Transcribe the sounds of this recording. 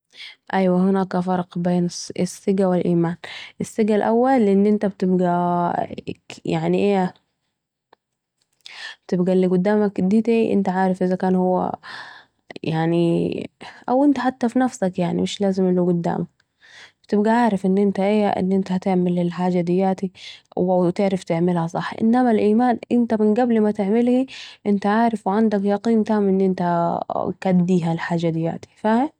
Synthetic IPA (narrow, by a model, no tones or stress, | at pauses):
ʔajwahɪnaːkafɑɾˤqbeːnsɪsːɪɡawɪlʔiːmaːnʔɪsːɪɡalʔawːalːʔɪnːʔɪnt̪ab̚t̪ɪbɡa | jaʕniʔeː | bt̪ɪbɡalːiɡʊd̪ːaːmakd̪it̪iʔɪ̰nt̪aʕaːɾɪfʔɪzakaːnhʊwːa̰ | jaʕni | ʔawʔɪnt̪aħat̪ːafinafsakjaʕnḭmɪʃlaːzɪmʔɪlːuɡʊd̪ːa̰ːmak | b̥t̪ɪb̚ɡaʕaːɾɪfʔɪnːʔɪnt̪aʔeːa̰ʔɪ̰nːʔɪnt̪ahat̪ɪʕmɪlɪlħaːd͡ʒad̪ɪjːaːt̪iwʔawt̪ɪʕɾaft̪ɪʕmɪlhasˤɑħːʔɪ̰nːamalʔiːmaːnʔɪnt̪amɪnɡablmat̪ɪʕmɪlhiʔɪnt̪aʕaːɾɪfwʕand̪akjɑqiːnt̪aːmʔɪnːʔɪnt̪akad̪ːiːɦalħaːd͡ʒːad̪ɪjːa̰ːt̪i̥faha